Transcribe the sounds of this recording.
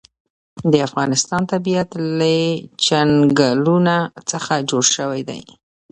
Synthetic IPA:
d̪əafɣɑnɪst̪ɑnt̪abijat̪lat͡ʃanɡalunat͡səxad͡ʒoɽʃəwajd̪a̰j

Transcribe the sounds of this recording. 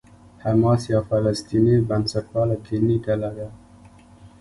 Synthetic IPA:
hamɑsjɑfalast̪inibansaʈwɑlakʰilikalaɡa

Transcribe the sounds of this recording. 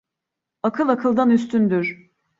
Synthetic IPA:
akʰɯlˠakʰɯlˠd̪anyst̪ʰynd̪yɾ̥

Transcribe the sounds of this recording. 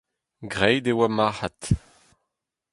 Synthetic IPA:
ɡʁɛjd̪ewamaħat̪

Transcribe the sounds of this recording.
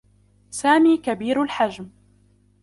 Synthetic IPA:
saːmiːkabiːɾalħad͡ʒm

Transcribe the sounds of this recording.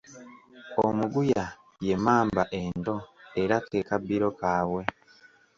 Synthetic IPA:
omuɡuja | je̞maːmbaʔe̞ndo̞e̞ɾakekabiɾo̞kaːwe̞

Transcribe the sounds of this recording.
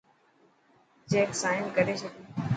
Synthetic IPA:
t͡ʃeːksaːɪnkəɾeːʃəkeː

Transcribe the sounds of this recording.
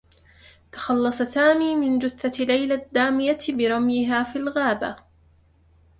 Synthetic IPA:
t̪ɑ̥xɑlːɑsˤɑsaːmiːmɪnd͡ʒʊθːalajlad̪ːaːmɪjabɪɾˤɑmjɪɦaːfilɣaːba̰

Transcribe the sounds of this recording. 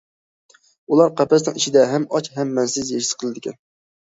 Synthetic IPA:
ulˠɑɾqʰæpɛs̬nɨŋiʃɪd̪ɛɦæmɑt͡ʃɦɛmːɛnsɪzjeʃɪ̥sqʰəlˠɨd̪ɪkʲʰɛn

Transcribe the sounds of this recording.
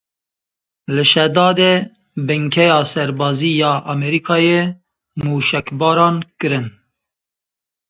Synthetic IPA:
lɨʃɛd̪ɑːd̪e | bɨŋkʰɛjɑːsɛɾbɑːziːjɑːʔɑmɛɾiːkʰɑːje | muːʃɛkbɑːɾɑːnkɨɾɨn

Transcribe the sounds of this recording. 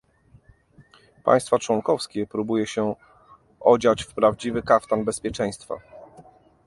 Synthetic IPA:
pa̰j̃st̪fat͡ʂwɔŋkɔfskʲɛpɾubujɛɕɛ | ɔd͡ʑat͡ɕfpɾavd͡ʑivɘkaft̪anbɛspʲjɛt͡ʂɛ̃j̃st̪fa̰

